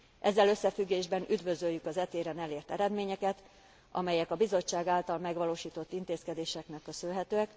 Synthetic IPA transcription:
ʔɛzːɛlø̞sːɛfyɡːeːʒbɛnʔyd̪vø̞zøjːykɒzɛt̪eːɾɛnɛleːrt̪ɛɾɛd̪meːɲɛkɛt̪ | ʔɒ̰mɛjɛkɒbizo̞t͡ʃːaːɡaːlt̪ɒlmɛɡʋɒloːʃiːt̪o̞t̪ːint̪eːskɛd̪eːʃɛknɛkːø̞sølɦɛt̪øːɛk

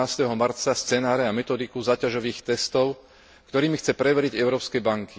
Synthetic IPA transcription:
aːst̪ɛɦɔmaɾt͡sast͡sɛnaːɾɛamɛt̪ɔd̪ikuzaːcaʒɔʋiːxt̪ɛst̪ɔʊ | kt̪ɔɾiːmixt͡sɛpɾɛʋɛɾiɟɛʊɾɔːpskɛjbaŋki

